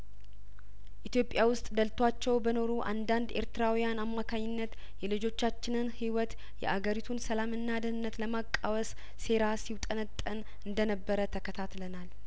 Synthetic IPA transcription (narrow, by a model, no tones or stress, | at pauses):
ʔit̪jo̞pʼjawʊst̪ʼd̪əlt̪ʰwat͡ʃːɛwbəno̞ɾuʔa̰nd̪and̪e̞̰ɾt̪ɨɾawijanamːakʰaɲːɪnːət̪ | jɛlɨd͡ʒo̞t͡ʃːat͡ʃːɪnɨnhiwɔt̪ | jɛ̰ʔaɡəɾit̪ʰunsəlamɨnːad̪ɨnɨnːət̪ləmakʼːawəsː | e̞ɾasiwt̪ʼənət̪ʼːən | ɨnd̪ənəbːəɾət̪ʰəkʰət̪ʰat̪lənal